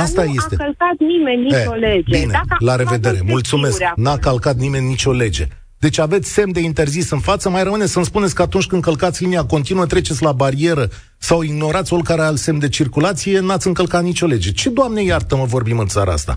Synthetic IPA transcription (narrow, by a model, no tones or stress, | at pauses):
ast̪ajest̪e̞əlkat̪̚nimenʲːeoled͡ʒbinelaɾe̞ve̞d̪e̞ɾe̞mult̪sume̞sknakalkat̪̚nime̞nʲːit͡ʃʲo̞le̞d͡ʒe̞̰ | d̪̥e̞t͡ʃʲave̞t̪sʲse̞md̪e̞int̪e̞rzisɨnfat̪səmajɾəmɨne̞t̪sʲəɨnspunet̪sʲkəat̪unt͡ʃʲkɨnɨŋkəlkat̪sʲliniako̞nt̪inuət̪ɾe̞t͡ʃe̞t̪sʲlabaɾie̞ɾə | sawiɡno̞ɾat̪sʲo̞lkaɾealse̞md̪e̞t͡ʃirkulat̪sije̞nat̪sʲɨŋkəlkat̪nit͡ʃo̞le̞d͡ʒe̞t͡ʃe̞d̪oamne̞jart̪əməvo̞rbimɨnt̪saɾa̰a̰st̪a̰